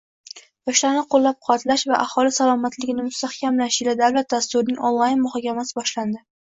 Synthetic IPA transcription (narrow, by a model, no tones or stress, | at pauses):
bɒʃlaɾnɪqʰolˠːap̚qʰʊat̪laʃvaʔahɒlɪsalɒmat̪lɪɡʲɪnɪmʊst̪ahkʲamlaʃɪlad̪awlat̪̚d̪ast̪ʊɾɪnɪŋʔonlˠajnmʊhɒkʲamasɪbɒʃland̪ɪ